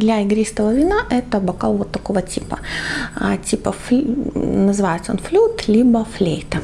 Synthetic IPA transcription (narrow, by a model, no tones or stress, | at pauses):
d̪lʲaɪɡɾʲist̪əvəvʲɪnaʔɛt̪əbɐkalˠvot̪ːɐkovətʲipə̰ | tʲipəfʲ | nəzɨvajɪt̪sonflʲut̪lʲibəflʲejt̪ə